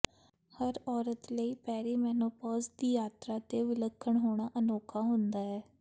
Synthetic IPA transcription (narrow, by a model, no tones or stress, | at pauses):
həɾɔːɾət̪ləiːpɛːɾiːmɛːnoːpɔːzd̪iːjaːt̪ɾaːt̪eːʋɪləkʰːəɳɦoːɽ̃aːʔənoːkʰaːɦʊnd̪aːɛː